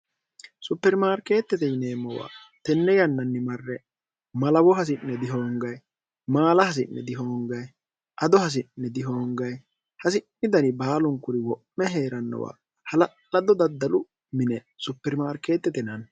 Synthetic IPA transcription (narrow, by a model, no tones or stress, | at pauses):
sʊpːɛɾmaːɾke̞ːt̪ːɛt̪ɛjneːmːɔwa̰ː | t̪ɛnːɛjɐnːɐnːɪmɐrːɛ | mɐlɐwɔɦɐs̬ɪnːɛd̪ɪɦo̞ːŋɡɐj | maːlɐhɐs̬ɪnːɛ̰d̪ɪɦo̞ːŋɡɐj | ʔɐd̪ɔhɐs̬ɪnːɛd̪ɪɦoːŋɡɐj | hɐsɪnːɪd̪ɐnɪbaːlʊŋkʊɾɪwɔpmɛɦe̞ːɾɐnːɐ̰wa̰ː | hɐlɐ | ɐd̪ɔd̪ɐd̪ːɐlʊ | mɪnɛ | sʊpːɛɾmaːɾke̞ːt̪ːɛt̪ɛnɐn